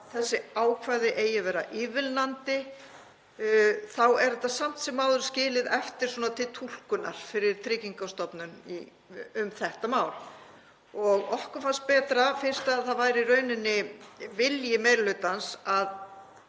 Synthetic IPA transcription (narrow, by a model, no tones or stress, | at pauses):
θɛsːɪaːwkʰvaːjðɪʔeːjavɛːɾa̰ʔɪːvɪlnant̪ɪ | θawɛɾðɛht̪ːasam̥t̪sɛmːaːwðʏɾ̥scɪːlɪðɛft̪ɪɾ̥swɔːnat̪ʰɪlt̪ʰul̥kʏna̰ɾ̥fɪɾɪɾ̥t̪ʰɾɪːciŋkawst̪ɔpnʏnḭ | ʏmθɛht̪amaːwl | ɔɣɔhkʏfanst̪̚pɛːt̪ɾafɪnst̪aðθaðvaːjɾirœːɥnʏnːɪvɪljɪmejɾlʏt̪ansað